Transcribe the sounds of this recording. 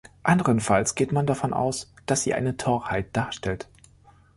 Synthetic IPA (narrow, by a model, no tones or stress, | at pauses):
ʔandəʁənfalsɡ̥eːtmandafɔnʔa̰ʊsd̥asz̥iːʔa̰ɪnətʰɔːhaɪt̚d̥aːɐʃtɛlt